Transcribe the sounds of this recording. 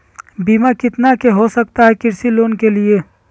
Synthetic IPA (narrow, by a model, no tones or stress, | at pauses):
biːmakɪt̪nakeɦosəkt̪aɦɛkɪɾsiloːnkelie